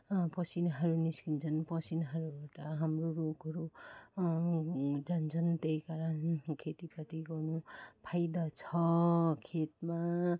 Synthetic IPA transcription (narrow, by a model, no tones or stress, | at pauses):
pʌsinɦʌɾuniskint͡sʰʌnpʌsinɦʌɾubaʈʌɦamroɾoɡɦʌɾu | d͡zant͡sʰʌnt̪ejkaɾʌnkʰet̪ipʰʌt̪iɡʌrnupʰajd̪at͡sʰʌkʰet̪ma